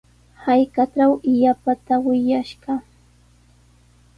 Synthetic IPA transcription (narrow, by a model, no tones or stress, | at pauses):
hajkaʈ͡ʂawɪjapat̪awɪʎaʃɢɑ